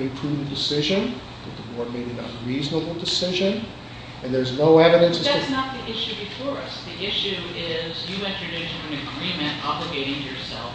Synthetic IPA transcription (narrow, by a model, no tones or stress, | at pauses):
ɨ̃mpʰɹ̥ʉv̩dɨsɪʒɨ̃n | ðət̪̚ðəwɔɹd̚meɪɾɨ̃nə̰ɹiznəbl̩ˠdɨsɪʒɨ̃n | ɨ̃nðə˞znoʊɛvɨɾɨ̃nsɨz̥æsnət̪̚ðiʔɪʃʉbɨfɔɹʌsðiɪʃʉɪzjɨɛ̃nt͡ʃɹ̥ɨdʉʃɨ̃nɨ̃nɨɡɹĩmɨ̃ntɑblɨɡeɪɾɪ̃ŋtʰɨjə˞sɛ̰lˠf